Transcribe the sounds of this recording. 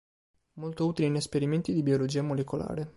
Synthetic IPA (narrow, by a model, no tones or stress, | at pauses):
molt̪ouːt̪ilinespeɾiment̪id̪ibiolod͡ʒiːamolekola̰ːɾe